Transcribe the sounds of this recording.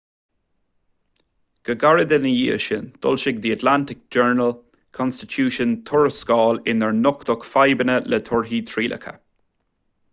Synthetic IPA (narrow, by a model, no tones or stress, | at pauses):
ɡ̥əɡaɹəd̪ənəjiəʃənd̪̥ʊ̰lʃɪɡ̚d̪iət̪lantɪk̚d͡ʒɛɹnəl | kʰɔnstɪtʰuːʃənt̪ʰʊɹəskɔːlɪnəɹnʊkt̪ɔkfajbənələt̪ʰʊɹɦiːt̪ʰɹiːlʔə̰kʰə̰